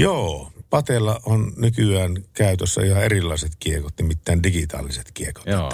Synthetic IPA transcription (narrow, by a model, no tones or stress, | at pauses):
joːpɑt̪elːˑɑʔʔonnykyæːnkæˑyt̪øsːæ̰ihɑerilːˑɑˑeset̪kiekot̪nimit̪ːæːndikit̪ɑ̰ːlːiset̪kieko̥tː